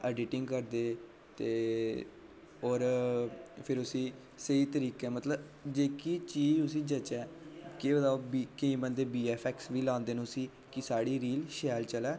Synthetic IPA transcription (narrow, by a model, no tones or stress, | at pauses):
əɖɪʈɪ̃ŋɡkəɾd̪eː | t̪eː | oːɾ | pʰɪɾʊsĩː | səiːt̪əɾiːkɛːmət̪ləb | d͡ʒeːkiːt͡ʃiːd͡ʒʊs̬ĩːd͡ʒət͡ʃɛːkeːbət̪aːbikĩːbənd̪eːbiːɛːpʰɛːksʋiːlãːnd̪eːnũːsiː | kɪsaːɽiːɾiːlʃɛːlt͡ʃəlɛː